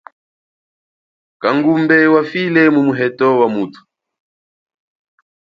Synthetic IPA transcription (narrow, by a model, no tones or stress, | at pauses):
kaŋɡumbɛwafilɛmumuɦɛtɔwamutʰu̥